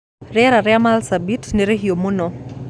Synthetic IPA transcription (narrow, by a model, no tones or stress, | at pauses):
ɾɛɛɾaɾɛamalsabitneɾeɦiomʊnɔ